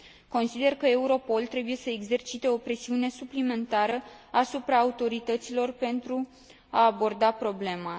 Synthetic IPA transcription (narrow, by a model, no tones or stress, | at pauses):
ko̞nsid̪e̞rkəe̞uɾo̞po̞lt̪ɾe̞buje̞səeɡze̞rt͡ʃit̪e̞o̞pɾe̞siune̞suplime̞nt̪aɾəasupɾaːut̪o̞ɾit̪ət̪silo̞rpe̞nt̪ɾu | aːbo̞rd̪apɾo̞ble̞ma